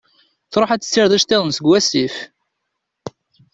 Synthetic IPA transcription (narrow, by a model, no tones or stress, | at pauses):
θɾˤoħæt͡sːə̥sːɪɾðæʃt̪ːeðˤənsəɡwæsif